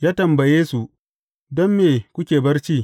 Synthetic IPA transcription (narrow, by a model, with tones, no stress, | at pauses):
jaː˦tɐ˨mbɐ˨jeː˦su˨ | dɔ˦mːeː˨kʷʊ˦kʲeː˨bɐ˦rt͡ʃiː˦